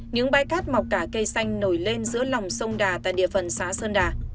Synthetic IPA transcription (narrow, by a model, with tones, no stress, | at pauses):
ɲɨ̰˧˥ŋɓaː˧jkaː˦˥t̚ma˨˩wk͡p̚kaː˧˩kə˧jsa˧jŋ̟no˧˩jle˧nzɨ˨˦əla˨˩wŋ͡msə˧wŋ͡mɗaː˨˩t̪a̰ː˧˨jɗḭ˧˨əfə˨˩nsaː˨˦səː˧nɗaː˨˩